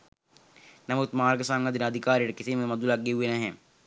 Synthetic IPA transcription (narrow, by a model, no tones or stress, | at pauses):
nɐmut̪maːɾɡɐsaŋɡɐd̪inɐd̪ʱikaːɾiɐɽekisimmɐd̪ulɐɡiuenɐɦe